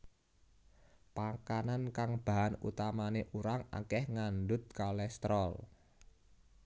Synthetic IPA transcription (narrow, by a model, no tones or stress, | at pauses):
pakanankaŋb̥a̤ɦanṵt̪amaneʔuɾaŋa̰kɛhŋanɖʊt̪̚kalɛst̪ɾɔl